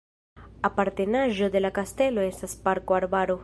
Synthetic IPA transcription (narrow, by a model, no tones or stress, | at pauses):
apaɾt̪enaʒoðelakast̪eloesaspaɾkoaɾβaɾo